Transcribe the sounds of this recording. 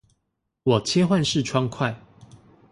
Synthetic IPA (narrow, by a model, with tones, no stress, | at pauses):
wɔ˨˩t͡ɕʰjɛ˦xwa˥˨nʂɻ̩˥˨ʈ͡ʂʰwɑ˦ŋkʰwa˥˨ɪ